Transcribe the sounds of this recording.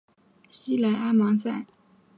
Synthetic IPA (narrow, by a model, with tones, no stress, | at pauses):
ɕi˥la˧˥ɪʔa˥mɑ˧˥ŋsa˥˩